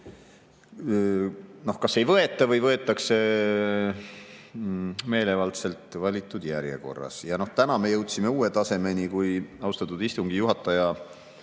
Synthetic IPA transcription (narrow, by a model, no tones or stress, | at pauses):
no̞hkɑsːe̞jvɤ̞e̞t̪ːˑɑvɤjvɤ̞e̞t̪ːˑɑkse | me̞ːle̞vɑlt̪se̞lt̪ˑvɑlʲit̪ːˑud̪̥jæɾjḛko̞̰rːɑ̰sjɑno̞ht̪ænɑme̞jɤwt̪sime̞uːe̞t̪ɑse̞me̞nikujɑwst̪ɑt̪ːud̪ist̪uŋɡ̥ijuɦɑt̪ːˑɑjɑ